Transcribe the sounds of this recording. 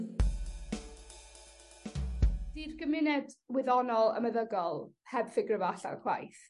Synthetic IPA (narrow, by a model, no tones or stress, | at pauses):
d̥iːrɡəmɪnɛdwɪðɔnɔlˠə̰məðəɡɔlˠ | hɛbθɪɡrəvaɬa̰kʰwa̰jθ